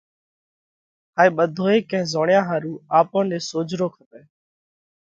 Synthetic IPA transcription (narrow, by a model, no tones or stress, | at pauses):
ɦaːeːɓəd̪ʱoːeːkɛ̃ɪ̃zoːɳɪjãːɦaːɾũːaːpõːnɗeːsoːd͡ʒɾoːkʰəp̪eː